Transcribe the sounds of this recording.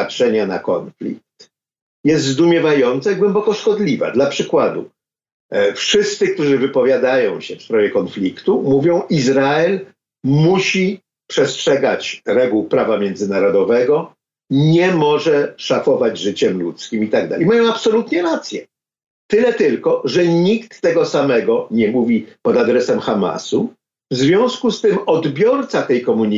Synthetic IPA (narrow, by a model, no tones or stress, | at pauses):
atʂɛɲana̰kɔ̰nflʲḭk̚t̪ | jɛst̪zd̪umʲjɛvajɔnt̪saiɡwɛmbɔkɔʂkɔd̪lʲiva̰d̪lapʂɘkwad̪ṵ | fʂɘst̪sɘk̚t̪uʐɘvɘpɔvʲjad̪ajɔ̃w̃ɕɛfst̪ɾɔvʲjɛkɔnflʲikt̪umuvʲjɔ̃w̃ʔizɾaɛl | muɕi | pʂɛstʂɛɡat͡ɕɾɛɡuwpɾavamʲjɛnd̪zɘnaɾɔd̪ɔvɛɡɔ | ɲɛmɔʐɛʂafɔvad͡ʑʐɘt͡ɕɛmlṵt̪skʲimit̪aɡ̚d̪a̰jmajɔ̃w̃apsɔlut̪ɲɛɾat̪sʲjɛ | t̪ɘlɛt̪ɘlkɔʐɛɲikt̪ːɛɡɔsamɛɡɔɲɛmuvʲipɔd̪ad̪ɾɛsɛmxama̰su | vzvʲjɔ̃w̃skust̪ɘmɔd̪bʲjɔɾt̪sat̪ɛjkɔmuɲ